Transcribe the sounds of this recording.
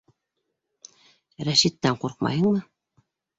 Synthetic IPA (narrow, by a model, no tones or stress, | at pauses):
ɾæʃit̪ːæɴquɾq̚mɑ̰jɤ̆ɴmɤ